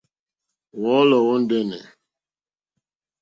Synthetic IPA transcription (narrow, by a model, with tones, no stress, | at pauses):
wɔ˨˦lɔ˨wɔ˦n̩˦dɛ˦˨nɛ̰˨